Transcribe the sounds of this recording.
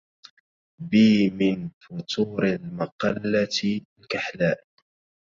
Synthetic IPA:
biːmɪnfʊt̪ʰˤuːɾalmɑqɑlːalkaħlaːʔ

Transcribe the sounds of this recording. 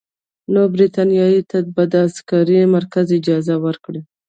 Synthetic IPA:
nobɾit̪ɑnijɑjit̪ʰad̪bad̪azkaɾimaɾkazɪd͡ʒɑzawəɾkɽi

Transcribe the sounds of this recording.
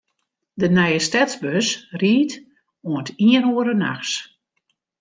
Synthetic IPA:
dənɛjəstɛtsbøsriːt | uəntʰiənuəɾəna̰xs

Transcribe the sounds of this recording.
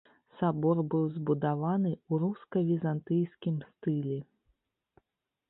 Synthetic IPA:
sabɔrbɨwzbud̪avanɨuɾuskɐvʲizant̪ɨjskʲimst̪ɨlʲɛ

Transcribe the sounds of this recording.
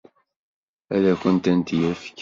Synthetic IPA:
æðækʷənt̪ænt̪jæfkː

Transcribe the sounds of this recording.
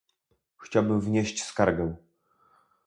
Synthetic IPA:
xt͡ɕawbɘmvɲeɕt͡ɕskaɾɡɛ̃

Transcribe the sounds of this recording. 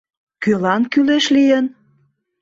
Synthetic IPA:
kølɑnkyleʃlijən

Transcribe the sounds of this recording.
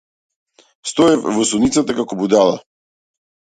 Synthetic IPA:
st̪ɔɛfvɔsunit̪sat̪akakɔbud̪alˠa̰

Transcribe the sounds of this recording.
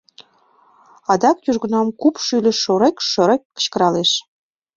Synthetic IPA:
ɑd̪ɑk̚j̪ʲyʒɣə̆nɑmkupʃylʲɘ̆ʃoɾekʃŏɾekʲːə̥̆t͡ɕkə̆ɾɑleʃ

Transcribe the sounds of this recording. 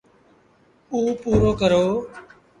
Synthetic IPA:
uːpuːɾoːkəɾoː

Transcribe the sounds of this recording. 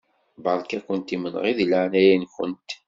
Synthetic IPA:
bɑɾˤkækʷənt̪imənʁiðləʕnæjænkə̰nt̪

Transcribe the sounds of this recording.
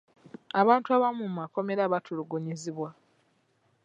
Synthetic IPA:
aβaːntuaβamumako̞me̞ɾaβatʰuluɡuɲiziβwa

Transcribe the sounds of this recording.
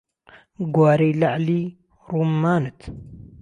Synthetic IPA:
ɡwaɾilaʕli | ɾumːanɨt̪

